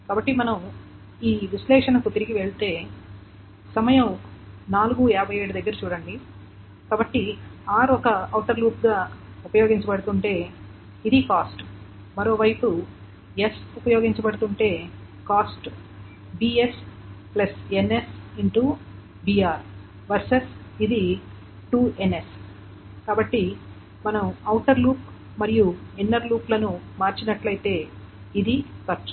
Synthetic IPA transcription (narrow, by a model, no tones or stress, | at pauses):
kaːbɐʈːimɐnɐm | iːʋislɛːʂɐnɐkut̪iɾiɡiʋeɭt̪e̞ː | sɐmɐjɐmnaːluɡuɛːbʱɐjeːɽud̪ɐɡːɐɾut͡ʃuːɽɐɳɖi | kaːbɐʈːiaːɾɔkɐɐwʈɐɾluːp̚ɡaː | upɐjoːɡiɲt͡ʃɐbɐɽut̪uɳʈe̞ː | id̪ikaːsʈ | mɐɾo̞ːʋɐjpu | jesupɐjo̞ːɡiɲt͡ʃɐbɐɽut̪uɳʈe̞ː | kaːsʈ | biːesplɐsenesiɳʈu | biaːɾ | ʋɐɾsɐsid̪i | ʈuːenes | kaːbɐʈːi | mɐnɐmɐwʈɐɾluːp | mɐɾijuenːɐɾluːplɐnumaːɾt͡ʃinɐʈlɐjt̪e̞ː | id̪ikɐɾt͡ʃu̥